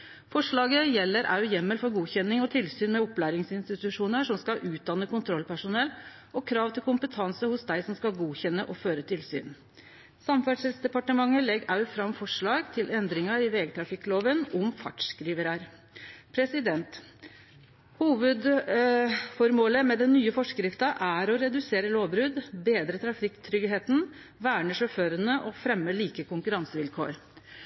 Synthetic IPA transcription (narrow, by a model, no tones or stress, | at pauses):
fɔʂɭɑːɡəjɛlːəɾʔɑ̰ʉjɛmːəlfɔɾɡuːçɛnːɪŋɔt̪ʰɪlsyːnmɛɔplæːɾɪŋsɪnst̪ɪt̪ʉʂuːnəʂɔmskɑʔʉːt̪̚d̪ɑnːəkʊnt̪ʰɾɔlːpæʂʊnɛlː | ɔkʰɾɑːʋt̪ʰɪlkʊmpət̪ʰɑnsəhʊsd̪æɪsɔmskɑlɡuːçɛnːəʔɔføːɾət̪ʰɪlsy̰ːn | sɑmfæɖʂɛlsd̪ɛpɑʈəmɑŋːəlɛɡɑʉfɾɑmfɔʂɭɑːɡt̪ʰɪlʔɛnd̪ɾɪŋɑɾɪʋeːɡt̪ʰɾɑfɪkːloːʋənɔmfɑ̰ʈʂkɾiːʋəɾɑɾ | pʰɾɛsɪd̪ɛnt̪ | huːʋəd̪ | fɔɾmoːləmɛd̪ɛnːyːəfɔʂkɾɪft̪ɑʔæɾɔɾɛd̪ʉseːɾəloːʋbɾʉd̪beːd̪ɾət̪ʰɾɑfɪkːt̪ʰɾʏɡɦeːt̪n̩ | ʋæːɳəʂɔføːɾənəʔɔfɾɛmːəliːkəkʰʊŋkʉɾɑŋsəʋɪlkʰo̰ːɾ